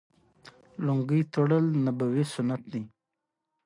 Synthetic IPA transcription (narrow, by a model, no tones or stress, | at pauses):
loŋɡijt̪oɽəlnabawisʊnat̪̚d̪i